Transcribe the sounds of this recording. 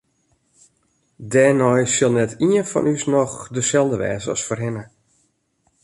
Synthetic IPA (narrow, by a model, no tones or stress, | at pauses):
dɛːnɔjsɪlˠnɛtʰiənfɔ̰nysnɔxdəsɛlˠdəʋɛ̰ːzəɔ̰sforɦɪnə